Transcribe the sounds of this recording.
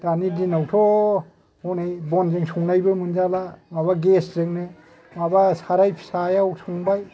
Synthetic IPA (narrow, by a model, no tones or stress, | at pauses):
danidinawtʰɔ | hɔnejbɔnzɯŋsuŋnajbɯmɯnzalamabaɡeszɯŋnɯ | mabasaɾajpʰi̥sajawsuŋbaj